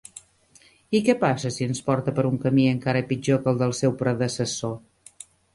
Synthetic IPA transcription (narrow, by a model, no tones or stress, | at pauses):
ikɛpasəsiənspɔɾt̪əpəɾuŋkəmiəŋkaɾəpid͡ʒokəlˠd̪əlˠsɛwpɾəðəsəso